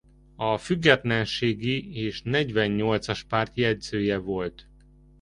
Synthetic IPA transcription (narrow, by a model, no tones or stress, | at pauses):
ɒfyɡːɛt̪lɛnʃeːɡieːʃnɛɟʋɛnːo̞lt̪sɒʃpaːrt̪jɛɟzøːjɛvo̞lt̪